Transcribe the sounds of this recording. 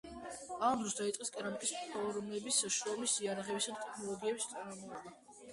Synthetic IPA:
amd̪ɾɔsd̪ait̪sʼqʼɛskʼɛɾamikʼistʰalˠɔɾɔmnɛbisaʃɔmisiaɾaʁɛbisad̪at̪ʼɛkʰnɔlˠɔɡiɛbist̪sʼaɾmɔɾmɔlˠɛba

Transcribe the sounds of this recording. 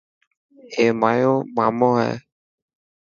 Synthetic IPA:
eːmaːjoːmaːmoːɦɛ̰ː

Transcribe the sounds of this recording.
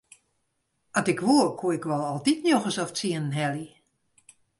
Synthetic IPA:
atɪkʋuərkʰuəɪkʋɔlˠɔlˠtitnjoxəsɔft͡siənənɦɛli

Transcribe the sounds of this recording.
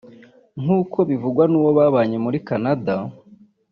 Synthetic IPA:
ŋ̥uːkʰo̞βivuɡwanuːwoβaːβaːɲe̞muɾikanada

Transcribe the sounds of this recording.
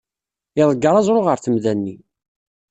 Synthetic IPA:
ɪðˤəɡːəɾˤɑzˤɾˤoʁəɾθəmðænːi

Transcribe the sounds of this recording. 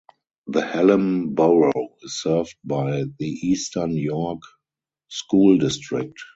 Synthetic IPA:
ðəhɛlə̃nboʊɹoʊɪssɜ˞vd̚baɪðiʔiːstʰə˞njɔk | skuːldɪstɹɪk̚t

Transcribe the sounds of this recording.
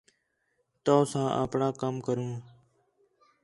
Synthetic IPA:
t̪oːsãːʔə̰ːpɳãːkəmkəɾũː

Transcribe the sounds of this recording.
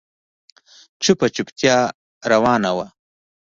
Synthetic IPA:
t͡ʃupat͡ʃupt̪jɑː | ɾawɑːnawa

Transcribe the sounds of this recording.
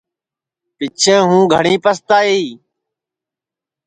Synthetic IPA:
pɪt͡ʃʰẽːɦũːɡʱəɳĩːpəst̪aːɦeiː

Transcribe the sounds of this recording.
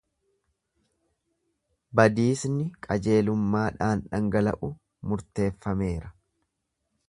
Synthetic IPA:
bɐd̪iːsnɪkʼɐd͡ʒe̞ːlʊmːaːᶑaːnᶑɐŋɡɐlɐ̰ʔʊ | mʊɾt̪e̞ːfːɐme̞ːɾɐ

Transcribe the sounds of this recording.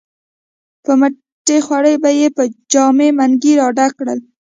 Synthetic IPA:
pəmə | ʈexwaɽəjbajepəd͡ʒɑmemaŋɡiɾɑɖakɽəl

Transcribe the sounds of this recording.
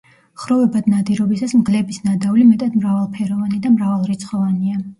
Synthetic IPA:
χɾɔvɛbad̪nad̪iɾɔbisasmɡlɛbisnad̪avlimɛt̪ʼad̪mɾavalˠpʰɛɾɔvanid̪amɾavalˠɾit̪sʰχɔvania

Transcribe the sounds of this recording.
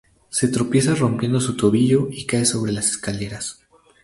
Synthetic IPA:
se̞t̪ɾo̞pje̞s̬aro̞mpje̞nd̪o̞sut̪o̞βiʝo̞ikaeso̞β̞ɾe̞lase̥skale̞ɾas

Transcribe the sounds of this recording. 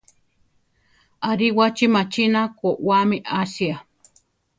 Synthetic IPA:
aɾiwat͡ʃimat͡ʃinakoʔwamiʔasia

